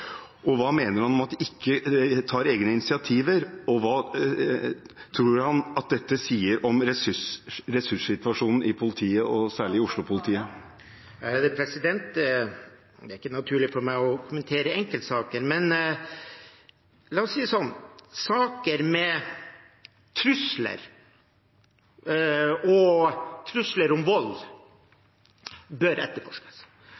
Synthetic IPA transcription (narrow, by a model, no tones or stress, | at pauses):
ʔɔʋɑːmeːnəɾhɑnɔmɑt̪d̪ɪkʰːət̪ʰɑːɾeːɡnəɪnɪsɪɑt̪ʰiːʋəɾɔʋɑː | t̪ʰɾuːɾhɑnɑt̪̚d̪ɛt̪ːəsiːəɾʔɔmɾɛsɾɛsʉʂsɪt̪ʋɑʂuːnn̩ʔɪpʰʊlɪt̪ʰiːəʔɔsæːɭɪɪʊʂlʊpʰʊlɪt̪ʰiːə | jɛd̪əpʰɾɛsɪd̪ɛnt̪̚ | d̪ɛæɾɪkːənɑt̪ʰʉːɭɪfɔɾmæɪɔkʰʊmənt̪ʰeːɾəɛŋkəlt̪sɑːkəɾmɛn | lɑːɔsiːəsɔnːsɑːkəɾmɛ | t̪ʰɾʉslə̰ɾ | ɔt̪ʰɾʉsləɾʊmʋɔlː | bœɾɛt̪ːəɾfɔʂkə̥s